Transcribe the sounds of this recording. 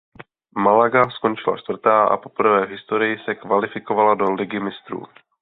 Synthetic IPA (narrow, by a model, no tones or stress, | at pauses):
malaɡaskont͡ʃɪla̰t͡ʃt̪vr̩t̪aːʔa̰po̞pr̩vɛːvɦɪst̪o̞ɾɪjɪsɛkvalɪfɪko̞valado̞lɪɡɪmɪst̪ɾṵː